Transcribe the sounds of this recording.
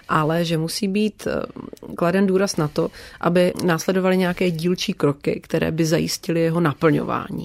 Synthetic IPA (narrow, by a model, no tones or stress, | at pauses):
ʔalɛʒɛmusiːbiːt̪ | kladɛnduːɾasnat̪o̞ʔa̰bɪnaːslɛdo̞valɪɲɛjakɛːɟiːlt͡ʃiːkɾo̞kɪ̰kt̪ɛɾɛ̰ːbɪzajɪ̰scɪlɪjɛɦo̞napl̩ɲo̰va̰ːɲḭː